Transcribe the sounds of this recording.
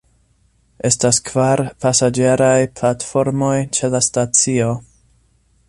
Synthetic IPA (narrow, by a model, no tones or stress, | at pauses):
ʔe̞staskvaɾpasad͡ʒe̞ɾajplatfo̞ɾmo̞jt͡ʃe̞lastat͡sio̞